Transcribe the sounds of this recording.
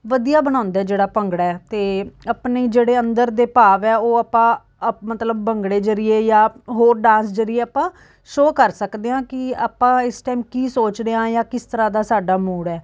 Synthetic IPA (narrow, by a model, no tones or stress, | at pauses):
ʋəd̪ijaːbəɽ̃ãːnd̪aːd͡ʒeːɽaːpəŋɡɽaːt̪eːəpneːd͡ʒeːɽeːənd̪əɾd̪eːpaːʋɛːoːaːpãː | mət̪ləbːəŋɡɽeːd͡ʒəɾɪjeːjaːɦoːɾɖãːnsd͡ʒəɾɪeːaːpãː | ʃoːkəɾsəkd̪eːãːkɪa̰ːpãːɪsʈaːɪmkiːsoːt͡ʃɾeãːjãːkɪst̪əɾãːd̪aːsaːɖaːmuːɽɛː